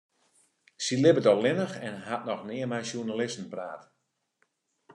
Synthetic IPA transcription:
silɪbədɔlɪnəxɛnɦat̚nɔxnɪəmɛjsjunalɪstn̩praːt

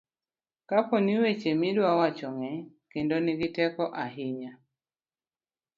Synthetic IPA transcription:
kapɔniwet͡ʃemidwawat͡ʃɔŋɛ | kendɔniɡitɛkɔʔaɦiɲa

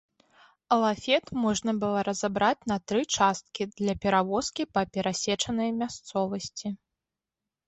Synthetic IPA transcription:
ɐlˠafʲɛt̪mɔʐnɐbɨlˠɔɾɐzabɾat͡sʲnɐt̪ɾɨt͡ʂast̪̚kʲid̪lʲɐpʲɛɾavɔskʲipɐpʲɛɾasʲɛt͡ʂɐnɐjmʲast̪sɔvɐsʲt͡sʲi

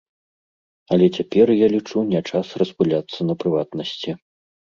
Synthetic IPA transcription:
ɐlʲɛt͡sʲapʲɛrjalʲit͡ʂunʲɛt͡ʂasrɐspulʲat̪sːɐnɐpɾɨvat̪nɐsʲt͡sʲi

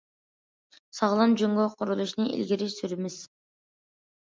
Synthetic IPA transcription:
sɑʁlˠɑnd͡ʒøŋɡøqʰʊɾulˠuʃnɨʔḭlʲɡʲiɾiʃsyɾɪmɪz̥

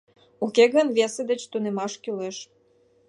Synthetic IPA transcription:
ukeɣənvʲesed̪ə̆t͡ɕt̪unemɑʃkʲyleʃ

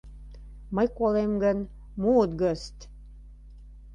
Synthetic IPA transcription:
məjkolemɡən | muːt̪ɡəst̪

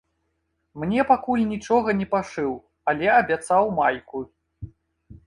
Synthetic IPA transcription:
mnʲɛpakulʲnʲit͡ʂɔɣɐnʲɛpaʂɨw | ɐlʲɛɐbʲat̪sawmajku

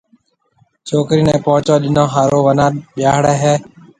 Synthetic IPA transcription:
t͡ʃoːkɾiːnɛ̃ːpɔ̃ːt͡ʃõːɗɪnõːɦaːɾoːʋənãːɓjaːɦɽɛːɦɛː

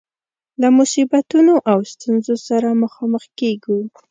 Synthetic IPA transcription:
lamʊsibat̪unoʔawst̪unzosaɾaməxɑməxkeɡu

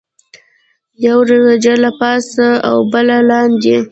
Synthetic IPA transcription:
jawɾezad͡ʒalapɑsaa̰wbəlalɑnd̪e

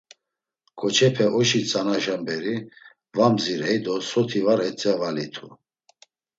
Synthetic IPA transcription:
kʰʼɔt͡ʃʰɛpʰɛʔɔʃit͡sʼanaʒambɛɾi | vamziɾɛjd̪ɔsɔt̪ʰivaɾɛt͡sʼɛvalit̪ʰu

